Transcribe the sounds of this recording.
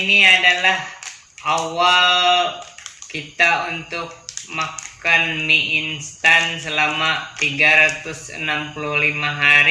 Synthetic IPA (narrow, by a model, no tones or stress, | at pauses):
niadalah | ʔawal | kit̪aunt̪ʊk̚makanmiʔinst̪ansəlamat̪iɡaɾat̪ʊsə̰nampuluhlimaɦaɾi